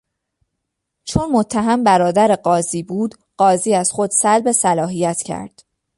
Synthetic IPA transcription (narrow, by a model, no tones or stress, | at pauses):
t͡ʃʰonmot̪ʰːæɦæmbæɾɒːd̪æɾeɢɒːziːbuːd̪ | ɢ̥ɒːziːæz̥χo̞d̪sælbe̞sælɒːɦijæt̪ʰcʰæ̰ɾd̪̥